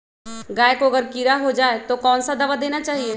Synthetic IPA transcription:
ɡaːjkoɐɡəɾkiɾaɦod͡ʒaːet̪okɔːnsad̪ɐʋad̪eːnat͡ʃaːɦie

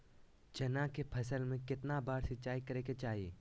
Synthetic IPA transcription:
d͡ʒɐnakepʰɐsəlmẽkɪt̪nabaːɾsɪtːt͡ʃaːikɐɾeːket͡ʃaːɦieː

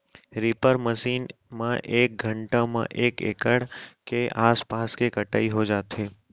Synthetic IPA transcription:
ɾɪpəɾməʃiːn | mã̰ʔeːk̚ɡʱə̃ɳʈãmã̰ʔeːkḛːkəɽkeʔaːspaːskekəʈaːiɦod͡ʒaːt̪eː

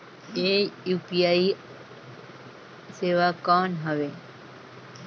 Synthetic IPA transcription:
eːjuːpiaːi | seːʋakɔːnɦəʋeː

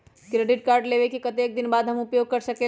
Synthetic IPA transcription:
kɾeɖiʈkaɾɖleʋekekət̪eːk̚d̪inbad̪ʱɦəmupjoɡ̚kəɾsəke

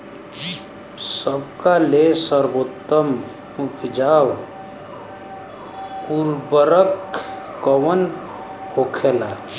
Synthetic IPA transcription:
səbkalesəɾboːt̪ːəm | ukʰd͡ʒaːw | uɾbəɾək | kəwən | hokʰeːla

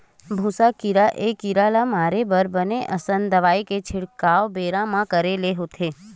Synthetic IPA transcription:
bʱũsakiɾaʔekiɾalamaɾebəɾbəneʔəsənd̪əʋaiket͡ʃʰɪɽkaobeɾãmãkəɾeleɦot̪ʰe

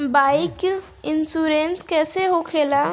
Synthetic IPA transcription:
baːɪk | ɪnsuːɾenskɛːseɦokʰeːla

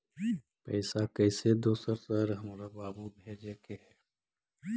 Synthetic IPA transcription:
pɛ̰ːsakɛɪsed̪oːsəɾsəɾɦɐmɾabaːbubʱeːd͡ʒekeɦɛː

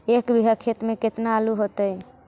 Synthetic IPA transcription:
ekbʱiɦəkʰet̪meket̪naːluɦot̪əj

